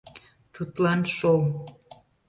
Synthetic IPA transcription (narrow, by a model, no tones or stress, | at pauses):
t̪ut̪lɑnʃol